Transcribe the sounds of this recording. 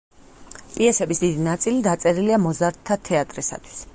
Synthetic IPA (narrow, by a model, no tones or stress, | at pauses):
pʼiɛsɛbisd̪id̪inat̪sʼilid̪at̪sʼɛɾiliamɔzaɾt̪ʰːat̪ʰɛat̪ʼɾisa̰t̪ʰwi̥s